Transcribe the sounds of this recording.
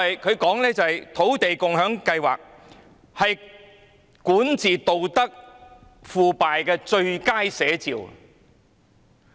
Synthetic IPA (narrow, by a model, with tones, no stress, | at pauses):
jkʰɵ˨˧ɥkɔː˨˥ŋlɛː˥t͡sɐ˨hɐ˨jt̪ʰo˨˥wt̪e˨jkʊ˨ŋhœː˨˥ŋkɐ˧jwa̰ː˨k̚ | hɐ˨j | kuː˨˥nt͡sʰiː˨˩t̪o˨wt̪ɐ˥k̚ | fuː˨paː˨jkɛː˧t͡ʃɵ˧ɥkaː˥jsɛː˨˧˥t͡siː˨w